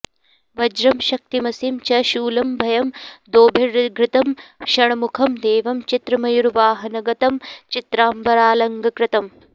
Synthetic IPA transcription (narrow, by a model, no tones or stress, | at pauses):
ʋɐd͡ʒɾɐmʃɐk̚t̪imɐsimt͡ʃɐʃuːlɐmbʱɐjɐmd̪oːbʱiɾɡɾɪt̪ɐmʃɐɳɐmukʰɐmd̪eːʋɐmt͡ʃit̪ɾɐmɐjuɾʋaːɦɐnɐɡɐt̪ɐmt͡ʃit̪ɾaːmbɐɾaːlɐŋɡɐkɾɪt̪ɐm